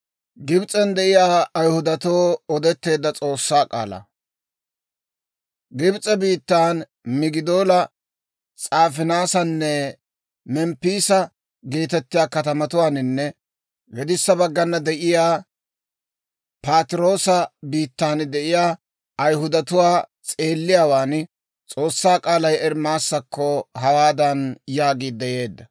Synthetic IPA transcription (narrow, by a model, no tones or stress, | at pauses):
ɡɪbt͡sʼɛnd̪ɛʔɪjaːɐjhʊd̪ɐt̪oːɔd̪ɛt̪ːe̞ːd̪ːɐt͡sʼo̞ːsːaːkʼa̰ːlɐ̰ | ɡɪbt͡sʼɛbiːt̪ːaːn | mɪɡɪd̪oːlɐ | t͡sʼaːfɪnaːsɐnːɛ | mɛmpːiːsɐ | ɡeːt̪ɛt̪ːɪjaːkɐt̪ɐmɐt̪ʊwaːnɪnːɛ | ɡɛd̪ɪsːɐbɐɡːɐnːɐd̪ɛʔɪjaː | paːt̪ɪɾo̞ːsɐbiːt̪ːaːnd̪ɛʔɪjaː | ʔɐjɦʊd̪ɐt̪ʊwaːt͡sʼe̞ːlːɪjaːwaːn | t͡sʼo̞ːsːaːkʼaːlɐjɛɾmaːsːɐkːɔɦɐwaːd̪ɐnjaːɡiːd̪ːɛje̞ːd̪ːɐ